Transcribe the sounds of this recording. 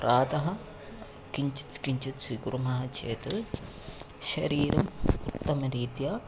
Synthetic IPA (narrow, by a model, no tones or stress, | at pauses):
pɾaːd̪ɐɦɐ | kiɲt͡ʃi̥t̪kiɲt͡ʃit̪siɡuɾumɐɦɐt͡ʃʰeːt̪ɨ | ʃɐ̰ɾiːɾʔɐmut̪ːɐmɐɾiːt̪jaː